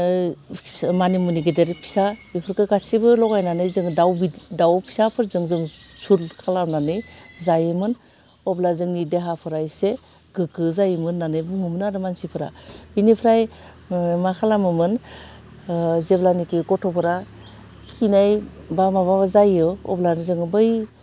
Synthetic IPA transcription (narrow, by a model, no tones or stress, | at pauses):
manimuniɡedeɾpʰi̥sabipʰɯɾkɯɡasibɯlɔɡajnanɯjzɯŋdawbidawpʰi̥sapʰɯɾzɯŋzɯŋsulkʰalamnanɯjzajɯmɯn | ɔplazɯŋnideɦapʰɯɾajse | ɡ̥ɯkɯzajɯmɯnːanɯjbuŋɯmɯnaɾɯmansipʰɯɾa̰binipʰɾaj | makʰalamɯmɯn | zeblanikɯɡɔtʰɔpʰɯɾa | kʰinajbamaβaβazajɯɔ̰blanzɯŋbɯj